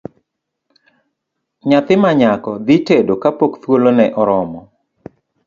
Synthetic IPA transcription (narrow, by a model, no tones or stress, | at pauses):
ɲat̪ɪmaɲakɔd̪itedokapokt̪wolonɛʔɔɾɔmɔ